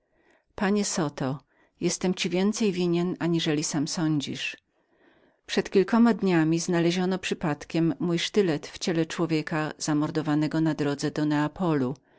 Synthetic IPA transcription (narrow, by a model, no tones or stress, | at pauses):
paɲɛsɔt̪ɔ | jɛst̪ɛmt͡ɕivʲjɛnt̪sɛjvʲiɲɛnaɲiʐɛlʲisamsɔɲd͡ʑḭʂ | pʂɛt̪kʲilkɔmad̪ɲamʲiznalɛʑɔnɔpʂɘpat̪kʲɛmːujʂt̪ɘlɛt̪ft͡ɕɛlɛt͡ʂwɔvʲjɛkaz̥amɔɾd̪ɔvanɛɡɔnad̪ɾɔd̪zɛd̪ɔnɛapʰɔlu